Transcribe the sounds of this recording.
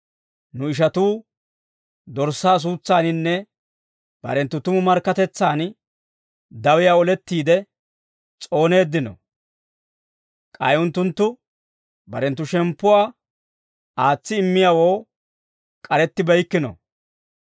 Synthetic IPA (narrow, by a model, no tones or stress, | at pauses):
nʊɪʃ̬ɐt̪uː | d̪ɔɾsːaːs̬uːt͡sːaːnɪnːɛ | b̥ɐ̰ɾɛnt̪ːʊt̪ʊmʊmɐɾkːɐt̪ɛt͡sːaːn | d̪ɐwɪjaːɔlɛt̪ːiːd̪ɛ | t͡sʼo̞ːne̞ːd̪ːɪnɔ̰ | kʼɐjʊnt̪ːʊnt̪ːʊ | bɐɾɛnt̪ːʊʃɛmpːʊwaː | aːt͡sːɪɪmːɪjaːwoː | kʼɐɾɛt̪ːɪbɐjkːɪnɔ̰